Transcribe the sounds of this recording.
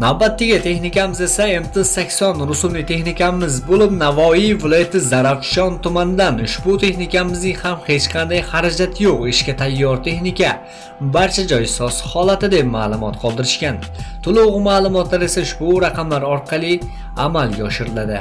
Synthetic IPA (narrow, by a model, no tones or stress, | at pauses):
nawbat̪ʰːɪɡʲɪt̪ʰe̞xnɪkʲamɪze̞saemt̪ʰɪsːakʲsɒnɾʊsʊmlɪt̪ʰe̞xnɪkʲamɪzbolɪpnavɒivɪlˠɒjat̪ʰɪzaɾaqʃɒnt̪ʊmand̪anʊʃbʊt̪ʰe̞xnɪkʲamɪznɪŋhamhe̞t͡ʃqʰɑnd̪ajhaɾad͡ʒat̪ʰjoqɪʃkʲat̪ʰajːɒɾt̪ʰe̞xnɪkʲa | baɾt͡ʃʰad͡ʒɒjɪsɒshɒlˠat̪ɪd̪e̞p̚maːlˠʊmɒt̪qʰɒlˠd̪ɪɾɪʃkʲant̪ʰʊlˠʊʁɨmaːlˠʊmɒt̪laɾe̞saʊʃbʊɾaqɑmlaɾɒɾqʰɑlˠi | amalˠɡʲaɒʃɪɾɪlad̪ɪ̰